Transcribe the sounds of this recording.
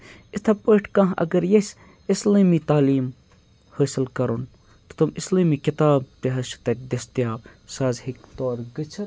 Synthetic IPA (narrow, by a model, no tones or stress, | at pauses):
it̪ʰɐpəːʈʰkãːɦɐ̰ɡɐɾjesʲ | isliːmit̪aːliːm | həːsilkɐɾun | t̪u̥t̪umisliːmiːkɪt̪aːb̚t̪eɦɐʃt̪ɐk̚d̪est̪jaːbsaːzhikt̪oːɾɡɨt͡ʃʰɐ